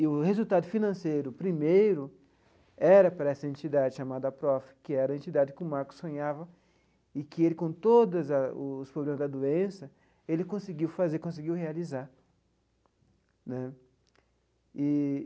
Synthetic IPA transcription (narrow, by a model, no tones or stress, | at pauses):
ɪʊhezuwt̪ad̪ʊfinɐ̃sejɾʊpɾimejɾʊ | ɛɾɐpaɾɐɛsɐẽnt͡ʃid̪ad͡ʒɪʃamad̪ɐɐpɾɔfɐ̥kɪɛɾɐẽnt͡ʃid̪ad͡ʒɪkɪʊmaɾkʊ̥sːõɲavɐ | ɪkɪelɪkõt̪od̪ɐzɐʊːspɾoblẽmɐzd̪ɐd̪uẽsɐ | elɪkõsɪɡiwfazeɾkõs̬ɪɡiwhealizaɾ | nɛ | ɪ